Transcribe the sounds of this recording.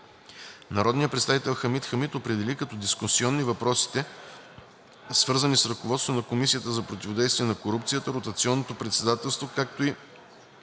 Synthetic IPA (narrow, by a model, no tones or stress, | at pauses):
nɐɾɔd̪nijət̪pɾɛt̪st̪avit̪ɛlˠxəmit̪xəmit̪opɾɛd̪ɛlikɐt̪ɔd̪iskʊsiɔnːivɐpɾɔsi̥t̪ɛ | svɤɾzənisɾɐkovɔt̪st̪vonɐkomisiət̪əzɐpɾot̪ʲivod̪ɛjst̪viɛnɐkoɾupt̪sijət̪əɾot̪ɐt̪siɔnːot̪opɾɛt̪sɛd̪at̪ɛlˠst̪vokak̚t̪oi